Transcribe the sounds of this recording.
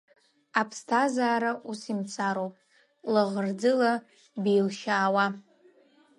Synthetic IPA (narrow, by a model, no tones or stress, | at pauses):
apʰstʰazaːɾaʔusimt͡sʰʼaɾowpʼ | laʁərd͡zɨla | bejlʃaːwa